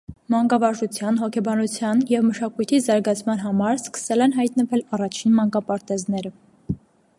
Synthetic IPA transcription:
mɑŋɡɑvɑʒut͡sʰjɑnɦɔkʰɛbɑnut͡sʰjɑnjɛvməʃɑkujt̪ʰizɑɾɡɑt͡sʰmɑnɦɑmɑɾskə̥sɛlɛnɦɑjt̪nəvɛlɑrɑt͡ʃʰinmɑŋkɑpɑɾt̪ɛznɛɾə

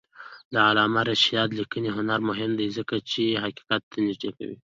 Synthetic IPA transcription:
d̪əalɑmaɾaʃijɑd̪likəniɦʊnaɾmʊɦɪmd̪ajzəkat͡ʃeɦaqi̥qat̪ːanɪʒd̪eka̰wḭ

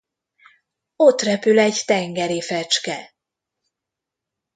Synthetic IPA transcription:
o̞t̪rɛpylɛɟt̪ɛŋɡɛɾifɛt͡ʃkɛ

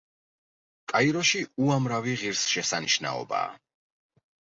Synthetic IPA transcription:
kʼaiɾɔʃiuamɾaviʁiɾsʃɛsaniʃna̰ɔ̰ba̰ː

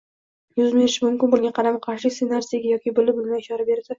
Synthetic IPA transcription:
jʊzbe̞ɾɪʃɪmʊmkʲɪnbʊlɡʲaqʰɑɾamaqʰɑɾʃɪsenaɾsaɡʲajɒkʲɪbʊlɪbʊlɪnaɪʃɒɾabe̞ɾd̪ɪ

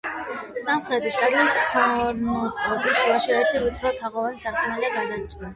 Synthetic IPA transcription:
sʼamχɾɛt̪ʼid̪ad̪laspʰaɾnɔt̪ʼɔd̪iʃuaʃiɛɾt̪ʰiɾut̪ʰɾɔt̪ʰaʁɔvanisaɾkʼɔnaliaɡad̪at̪sʼula

